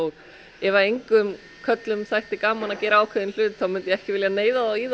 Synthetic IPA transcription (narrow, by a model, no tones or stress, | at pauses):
ɔɣ | ɛvaejŋkʏm | kʰœt̪lʏmθajht̪ɪkaːmanacɛːɾaaːwkʰɛðɪnl̥ʏːt̪θawmʏnt̪jɛɣɛhcɪvɪljaneːjðaðawiːð